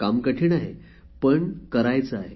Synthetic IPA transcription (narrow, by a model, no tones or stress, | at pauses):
kamkəʈʰiːɳaɦe | pəɳkəɾajt͡səaɦe